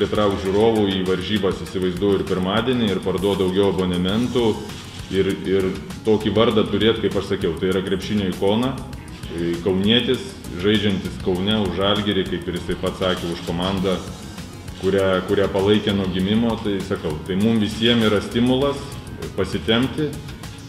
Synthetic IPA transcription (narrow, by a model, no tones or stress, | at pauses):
pʲɾʲɪt̪ɾɐʊk̪̚ʒʲuːɾoːʋuːiːʋɐɾʲʒʲiːbɐsisʲɪʋɐɪzd̪uɔjʊɪrpʲɪɾmɑːd̪ʲiɛnʲɪɪrpɐrd̪uɔtd̪ɐʊɡʲɛʊɐboːnʲɛmʲɛnt̪u | ɪrɪrt̪oːkʲiːʋɐɾd̪ɐt̪ʊɾʲeːt̪kɐɪpɐʃsɐkʲɛʊt̪ɐɪiɾɐkɾʲɛpʲʃʲɪnʲoːikoːnɐ | kɐʊnʲiɛt̪ʲɪs | ʒɐɪd͡ʒʲɛnʲt̪ʲɪskɐʊnʲɛʊʒɐlʲɡʲɛɾʲekɐɪpɪɾjɪsɐɪpɐt̪sɑːkʲɛʊʃkoːmɑnd̪ɐ | kʊɾʲæːkʊɾʲæːpɐlˠɐɪkʲenuːɡʲɪmʲɪmoːt̪ɐɪsɐkɐʊt̪ɐɪmʊmʋʲɪsʲiɛmiːɾɐsʲt̪ʲɪmʊlˠɐs | pɐsʲɪt̪ʲɛmʲt̪ʲɪ